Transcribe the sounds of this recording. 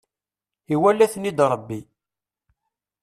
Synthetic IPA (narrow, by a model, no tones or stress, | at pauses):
iwælːæθnid̪ɾˤəbːi